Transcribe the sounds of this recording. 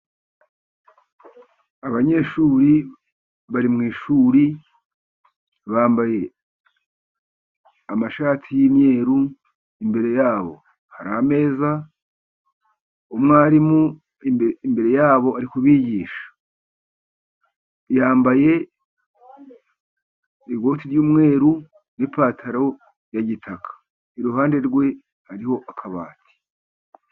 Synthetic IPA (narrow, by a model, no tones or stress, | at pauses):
aβaɲe̞ʃuːɾi | βaɾimŋiːʃuːɾi | βaːmbaje̞ | amaʃaːtʰijimje̞ːɾu | imbe̞ɾe̞jaːβo̞̰ | haɾa̰me̞ːza | omŋaːɾimu | iimbe̞ɾe̞jaːβo̞aɾikuβiːɟiːʃḁ | jaːmbaje̞ | iɡo̞tiɾjuːmŋe̞ːɾu | nipaːtʰaɾo̞ | jaɟitʰakʰḁ | iɾuɦaːnde̞ɾɡwe̞ | haɾiho̞ʔakʰaβa̰ːtʰi̥